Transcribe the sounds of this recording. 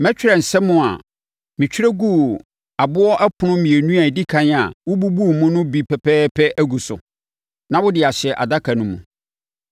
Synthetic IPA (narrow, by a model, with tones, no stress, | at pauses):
mɛ̃˦t͡ɕᶣɪ˦ɾɛ˨n̩˨sɛ˦mʊ̃˦a̰˨ | mɪ̃˨t͡ɕʰᶣɪ˦ɾɛ˦ɡu˦ | a˨bʊ˦ɔ˦ʔɛ˦pʰʊ˨nʊ̃˦mĩ˨e˨nũ˦a˨di˦kʰã˦n˦˨a̰˨wʊ˦bu˦bu˦˨mʊ̃˦nʊ̃˦bi˨pʰɛ˨pʰɛː˦pʰɛ˦ʔæ˦ɡu˨sʊ̰˨ | nã˨˦wʊ˦dɪ˨a˨ɕɪ˨ɛ˨ʔa̰˨da˦kʰa˨nʊ̃˨mũ˨